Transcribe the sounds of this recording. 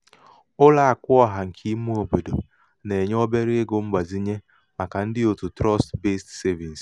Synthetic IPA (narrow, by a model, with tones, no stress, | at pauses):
ʊ˦la˦a˨kʷʊ˦ɔ˦ɦa˨ŋ̩˨kʰi˦mu˦o˨bo˨do˨ | ne˨ɲ˦ɔ˦be˦ɾe˦e˦ɡo˨m̩˦ɡ͡ba˨zi˦ɲe˦ | ma˨ka˨n̩˦dɪ˦o˨tu˨tɾɔ˦stbe˦stse˦vi˨n̩˨s